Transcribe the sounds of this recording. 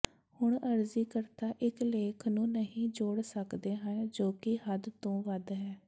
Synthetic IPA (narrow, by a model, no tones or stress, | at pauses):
hʊɳəɾziːkəɾt̪aːʔɪkleːkʰnũːnəɦĩːd͡ʒoːɽsəkd̪eːɦənd͡ʒoːkɪhəd̪t̪õːʋəd̪ɦɛː